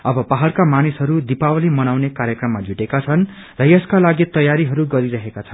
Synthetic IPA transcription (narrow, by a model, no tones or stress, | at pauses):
ʌbʌpaɦalkamanisɦʌɾud̪ipawʌlimʌnawnekaɾjʌkrʌmːad͡zʱuʈekat͡sʰʌn | rʌjʌskalaɡit̪ʌjaɾiɦʌɾuɡʌɾiɾʌɦekat͡sʰʌnn